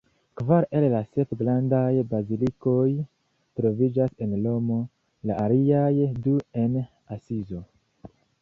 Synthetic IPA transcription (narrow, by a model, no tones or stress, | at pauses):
kvaɾe̞llase̞pɡɾandajbaziliko̞j | tɾo̞vid͡ʒase̞nlo̞mo̞ | laʔaliajdue̞n | asizo